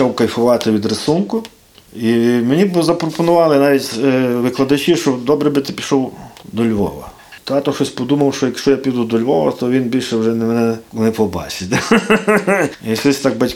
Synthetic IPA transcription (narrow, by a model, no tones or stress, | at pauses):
t͡ʃawkɐjfʊʋɑt̪ɪʋʲid̪ɾɪsunkʊ | imenʲibzɐpɾɔpɔnʊʋɑlˠɪnɑʋʲitʲʋɪklˠɐd̪ɐt͡ʃiʃt͡ʃɔd̪ɔbɾɛbɪt̪ɪpʲi̥ʃɔwd̪ɔlʲʋɔ̰ʋɐ̰ | t̪ɑt̪ɔʃɔsʲpɔd̪umɐwʃt͡ʃɔjɐkʃt͡ʃɔjapʲid̪ʊd̪ɔlʲʋɔʋɐ̰t̪ɔʋʲinbʲilʲʃɛwʒɛnɛmɛnɛnɛpɔbɑ̰t͡ʃɪtʲ | iʃɔsʲt̪ɑk̚bɐtʲ